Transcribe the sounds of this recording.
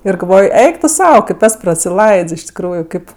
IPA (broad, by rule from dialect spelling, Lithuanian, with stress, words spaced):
ɪr ɡɐlˠˈʋoːj ˈɛɪk tʊ ˈsɐʊ kɐɪp ˈɛs prɐsʲɪˈlˠɐɪts ɪʃ tʲɪkˈruːjʊ ˈkɐɪp